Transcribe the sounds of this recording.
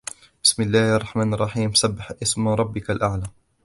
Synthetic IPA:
bɪsmɪlːaːhʔɑrˤːɑħmaːnʔɑrˤːɑħiːmsabːɪħʔɪsmɾˤɑbːɪkalʔaʕlaː

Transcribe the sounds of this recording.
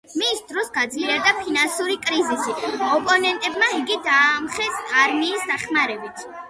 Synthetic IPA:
misd̪ɾɔsɡad̪zilɛɾd̪apʰinansuɾikʼɾizisiaɔpʼɔnɛnt̪ʼɛbmaiɡid̪aːmχɛsaɾmiːsd̪aχmaɾɛbit̪ʰ

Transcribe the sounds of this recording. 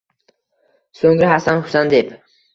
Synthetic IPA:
soŋɾahasanhʊ̥sand̪ep

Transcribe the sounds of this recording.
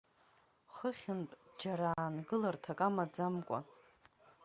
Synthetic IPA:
χəχʲɪnpʼd͡ʒaɾaːnɡɨlartʰakʼamad͡zamkʷʼa̰

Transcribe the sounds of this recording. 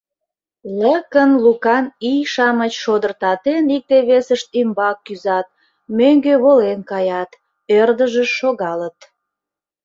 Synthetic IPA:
ləkənlukɑnijʃɑmət͡ɕʃod̪ərt̪ɑt̪enik̚t̪eβesəʃt̪imbɑkːyzɑt̪̚ | møŋɡøβolenkɑjɑt̪ | ørd̪əʒəʃoɣɑlət̪

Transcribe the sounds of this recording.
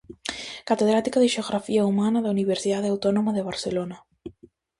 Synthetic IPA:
kat̪eðɾat̪ikaðɪʃeoɣɾafiɐumanɐðɐuniβ̞eɾsiðaðeawt̪ɔnomaðeβaɾselonɐ

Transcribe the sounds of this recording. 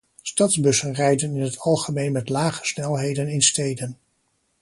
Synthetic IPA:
stɑdzbɵsənrɛjdənɪnɦətʰɑlˠχəmejnmɛtlaːχə̥snɛlˠɦejdənɪnstejdən

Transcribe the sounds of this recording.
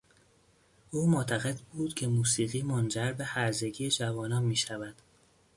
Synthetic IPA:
ʔuːmot̪ʰæɣe̞d̪buːd̪̥cʰe̞muːsiːɣiːmond͡ʒæɾbe̞hæɾze̞ɟiːed͡ʒævɒːnɒːnmiːʃævæd̪̥

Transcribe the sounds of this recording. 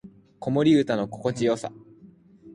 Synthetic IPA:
ko̞mo̞ɾʲiɯ̟t̪ano̞ko̞ko̞t͡ɕijo̞ːsa̰

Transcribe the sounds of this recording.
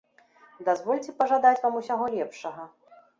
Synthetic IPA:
d̪azvɔlʲt͡sʲɛpɐʐad̪at͡sʲvamusʲaɣɔlʲɛpʂɐɣɐ

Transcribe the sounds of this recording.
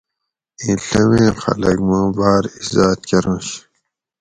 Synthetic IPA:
ĩːɬɐmẽːxɐ̰lɐɡmõːbaːɾizaːt̪̚keɾõːɕ

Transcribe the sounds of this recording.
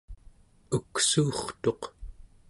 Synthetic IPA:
uksuːχt̪o̞q

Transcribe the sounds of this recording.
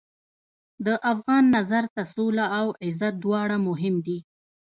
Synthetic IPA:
d̪əʔafɣɑnːazaɾt̪asulaːwɪzat̪̚d̪wɑɽamʊɦɪmd̪i

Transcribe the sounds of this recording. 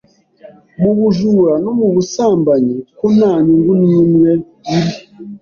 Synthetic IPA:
muβuʒuɾanomuβusaːmbaɲikunaːɲuŋɡuniinwe | iɾi

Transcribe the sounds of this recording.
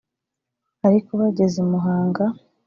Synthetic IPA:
aɾikoβaɟe̞zemuɦaːŋɡa

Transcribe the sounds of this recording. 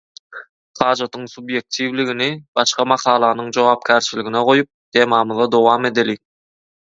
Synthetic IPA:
χɑːd͡ʒɑt̪ʰɯŋsubje̞k̚t̪ʰivliɡinibɑʃqɑmɑqʰɑːlˠɑnɯŋd͡ʒowɑːp̚kʲʰæɾt͡ʃiliɡineʁo̞jup̚t̪ʰe̞ːmɑmɯðɑd̪o̞wɑːme̞d̪eli

